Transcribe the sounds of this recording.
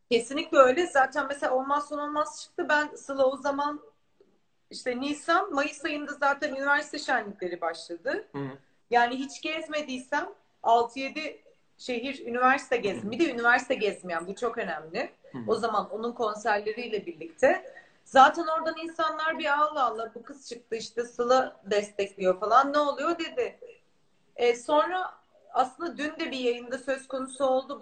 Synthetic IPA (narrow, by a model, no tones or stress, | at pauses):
ce̞sinlʲic̚bø̞jlʲɛzaːt̪ʰænmeselʲaolˠmazsonolˠmast͡ʃʰɯ̥k̚t̪ʰɯbænasɯlˠozaman | iʃt̪ʰɛnisanmajɯsajɯnd̪azaːt̪ʰænynivæɾsit̪ʰɛʃænlːʲicʲlʲe̞ɾibaʃlˠad̪ɯ | jaːniɦit͡ʃɟɛzme̞d̪ijsæm | alˠt̪ʰɯje̞d̪ɪ | ʃe̞ɦiɾynivæɾsi̥t̪ʰɛɟɛzmid̪ɛynivæɾsi̥t̪ʰɛɟɛzmijænbut͡ʃʰo̞kø̞næmlʲɪo̞zamano̞nunkʰo̞nsæɾlʲe̞ɾijlʲɛbiɾlʲict̪ʰɛ | zaːt̪ʰɛno̞ɾd̪aninsanlˠaɾbialˠaːlˠːabukʰɯst͡ʃʰɯk̚t̪ʰɯiʃt̪ɯsɯlˠad̪ɛst̪ʰɛclʲijo̞falˠanːɛo̞lˠujo̞d̪e̞d̪ɪ | ɛso̞nɾa | aslˠɯnd̪ad̪ynd̪ɛbijajɯnd̪asø̞zko̞nusuo̞lˠd̪u